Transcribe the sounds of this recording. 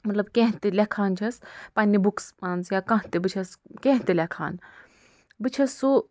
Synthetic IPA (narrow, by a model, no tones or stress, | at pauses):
mɐt̪lɐbkʲẽɦt̪elekʰaːnt͡ʃʰɐspɐnʲːibuksaːnzjakɐ̃ɦt̪ebɨt͡ʃʰɐskẽːɦt̪elekʰa̰ːn | bɨt͡ʃʰɐsːu